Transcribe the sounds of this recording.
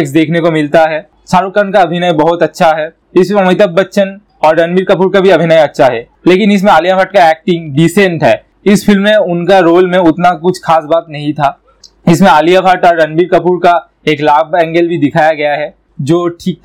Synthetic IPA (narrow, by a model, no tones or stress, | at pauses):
ks̬d̪eːkʰnekomɪlt̪aɦɛ | saːɾukənkaɐbʱɪnajbɐɦʊt̪ɐtːʃʰaɦɛ | ɪsɐmɪt̪̬əb̚bɐtːʃən | ɔːɾːɐnbiːɾkɐpuːɾkabʱiɐbʱɪnajɐtːʃʰaɦɛː | leːkɪnɪs̬mẽaːlijapʰaːʈkaɛːk̚ʈɪ̃ŋɡɖiːsẽɳʈɦɛː | ɪsfʰɪlmːẽʊnkaɾoːlmẽʊt̪nakʊt͡ʃʰxaːs̬baːt̪nɐɦĩt̪ʰaː | ɪsmẽaːlijapaːʈɔːɾːɐnbiːɾkɐpuːɾka | eːklaːbɛ̃ːŋɡəlbʱid̪ɪkʰaːjaɡɐjaɦɛ | d͡ʒoːʈʰiːk̚